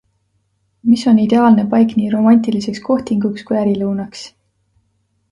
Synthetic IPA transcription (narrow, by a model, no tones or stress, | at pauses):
miso̞nid̪̥e̞ɑːlne̞pɑjkniːɾo̞mɑnʲt̪ilise̞ksko̞ht̪iŋɡukskujæɾilɤwnɑks